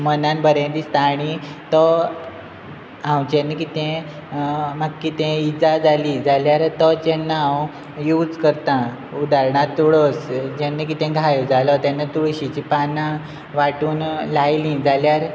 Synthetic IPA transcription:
mənãnbəɾẽnd̪ist̪aːɽ̃it̪ə | ɦãwt͡ɕẽnːəkit̪ɛ̃ | maɡkːit̪ɛ̃id͡zad͡zalid͡zaljaɾt̪ət͡ɕɛnːaw | juːd͡zkəɾt̪ã | ud̪aɾɳat̪ːuɽɔsd͡ʑɛnːək̬it̪ɛ̃ɡʱajd͡zalɔt̪ɛnːat̪uɭɕit͡ɕipanã | ʋaʈuːnlajlĩd͡zaljaɾ

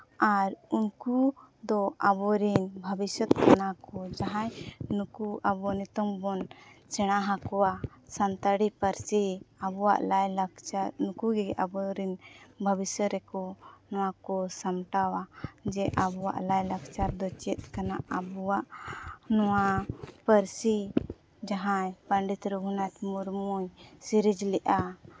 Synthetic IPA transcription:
aɾunkud̪ɔʔabɔɾinbʱəbisɔt̪kanakɔd͡ʒaɦãjnukuʔabɔnit̪ɔmbɔnt͡ʃɛɽ̃aɦãkɔwasant̪aɽipaɾsiabɔwa̰ʔlajlakt͡ʃaɾnukuɡɛɡɛʔabɔɾinbʱəbisəɾɛkɔnɔw̃akɔsamʈawad͡ʒɛʔabɔwa̰ʔlajlakt͡ʃaɾd̪ɔt͡ʃɛt̪̚kanaʔabuwaʔnɔwapəɾsi | d͡ʒaɦãjpəɳɖit̪ɾuɡʱunat̪muɾmujsiɾid͡ʒlɛʔa

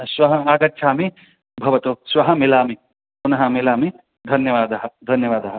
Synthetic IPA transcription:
sʋɐɦɐaːɡɐtːt͡ʃʰaːmi | bʱɐʋɐt̪usʋɐɦɐmilaːmi | punɐɦɐmilaːmi | d̪ʱɐnjɐʋaːd̪ɐɦɐd̪ʱɐnjɐʋaːd̪ɐɦɐ

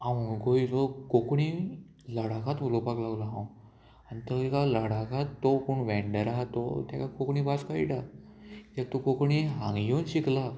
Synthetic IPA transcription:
amuɡoid͡zokokɳi | ləɽakat̪ʋəlopaklaɡlaɦãw | anit̪əekaləɽakat̪ːopuɳʋɛ̃ɳɖəɾaɦat̪o̰t̪jakakokɳĩbaskaḭʈa | t̪ak̚t̪okokɳiɦãŋɡjonɕikla

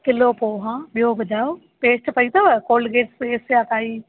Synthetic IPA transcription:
kɪloːpoːɦãːɓijobɐd͡ʒʱaːo | peːʃʈpɐit̪ɐʋkoːlɡeːʈseːsjaːk̪aːiː

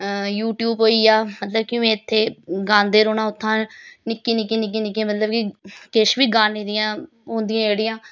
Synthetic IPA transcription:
juːʈjuːbɦoːiːaːmət̪ləb̚kɪẽːɪt̪ʰːeːɡãːnd̪eːɾoːɽãːʊt̪ʰːãːnɪkːiːnɪkːiːnɪk̬ːiːnɪk̬ːimət̪ləbkikɪʃʋiːɡãːnĩːd̪ɪjãː | ɦõːnd̪ɪjãːd͡ʒeːɽɪjãː

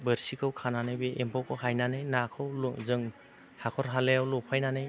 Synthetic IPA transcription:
bɯɾsikʰɯwkʰananɯjbeʔempʰɔkʰɯwɦajnanɯjnakʰɯwlŋzɯŋ | hakʰɔɾɦalejawlɔpʰajnanɯj

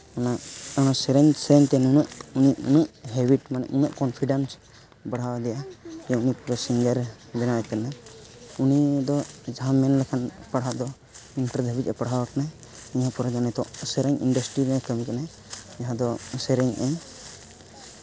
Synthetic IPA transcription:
naɔnasɛɾɛɲsɛɾɛɲt̪ɛnunuʔuniʔṵnuʔɦɛbiʈmanɛ̰ʔunuʔkɔnpʰiɖans | baɽawad̪ɛjajɔunipɔɾɔsiŋɡəɾ | bɛnajt̪ɛnaunid̪ɔd͡ʒaɦamːɛnlɛkʰanpaɽ̤aʔd̪ɔ | inʈəɾd̪ʱəbit̪ɛpaɽ̤awakanaj | iɲãpɔɾɔd͡ʒanɛt̪ɔ̃ʔsɛɾɛɲḭnɖəsʈɾiɾɛkəmikanaj | jaɦãd̪ɔsɛɾɛɲʔɛɲ

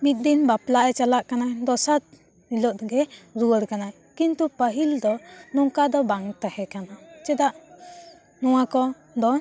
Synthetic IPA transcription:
mit̪̚ˀd̪inbaplaʔɛt͡ʃalaʔkanad̪ɔsat̪̚ | ilɔʔ̪̚ɡɛɾuwəɽkana | kint̪upəɦild̪ɔnɔŋkad̪ɔbaŋt̪ɛhɛkanat͡ʃɛd̪aʔ | nɔw̃akɔ | d̪ɔ

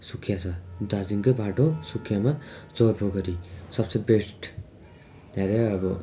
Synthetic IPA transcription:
sukʰːjat͡sʰʌd̪ad͡ziŋkobʱaʈosukʰːjamad͡zorbʱoɡʌɾisʌbsebesʈ | naɾeʌbʌ

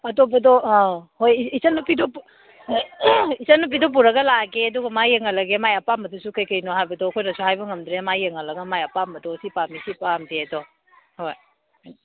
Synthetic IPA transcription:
ɐtopɐdɔhojisɐnupidop | isɐnup̬idop̬uɾɐɡɐlaɡeɐduɡɐmajeŋɐlɐɡemajɐpamɐdusukɐjkɐjnohajbɐdɔːkʰojnɐsuhajbɐŋɐmdɾemajeŋɐlɐɡɐmajɐpamɐdɔsipamisipamdedɔ | hoj

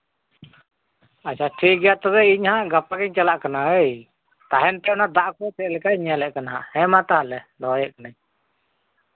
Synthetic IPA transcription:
at͡ʃʰaʈʰik̚ɡɛjaʔt̪ɔβɛiɲhaʔɡapakɛɲt͡ʃalaʔkanaəj | t̪aɦɛnp̪ɛɔnad̪aʔkɔt̪ɛʔ̚lɛkaʔɲalɛʔkanaɦa̰ʔhɛmat̪aɦalɛd̪ɔjɛʔkanaɲ

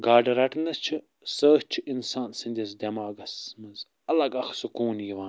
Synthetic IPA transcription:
ɡaːɖɐɾɐʈʰnɐst͡ʃʰi | səːʃt͡ʃʰiinsaːnsɨnʲd̪ʲɐs̬d̪ʲemaːɡɐsmɐz | ɐlɐɡɐxsukuːnjiʋaːn

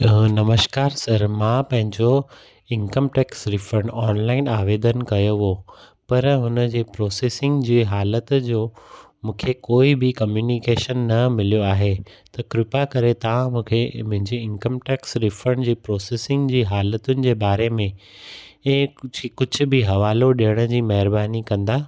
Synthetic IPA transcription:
nɐməʃkaːɾsɐɾmãːpɐ̃ɦɪ̃ɲd͡ʑo | ɪ̃nkəmʈɛːksɾɪfɾəɳɖɔːnlaːɪnaːʋeːd̪ənkɐjoɦo | pɐɾɦʊnəd͡ʑeːpɾɔːseːsɪ̃ŋɡd͡ʑiːɦaːlət̪d͡ʑoː | mũːkʰekoːibɪkɐmjuːnɪkeːʃənːɐmɪlijoaːɦe | t̪ɐkɾɪpakɐɾet̪ɐʋ̤ãmũːkʰemʊ̃ɦɪ̃ɲd͡ʑeɪ̃nkəmʈeːksɾɪfɾəɳd͡ʑiːpɾɔːseːsɪ̃ŋɡd͡ʑiːɦaːlət̪ʊnɪ̆d͡ʑeːbaːɾemẽ | ɛ̃ːkʊd͡ʑʱʊ̆bɪɦɐʋaːloɗijəɽ̃ə̆d͡ʑiːmɐɦɪɾbaːnikɐ̃nd̪aː

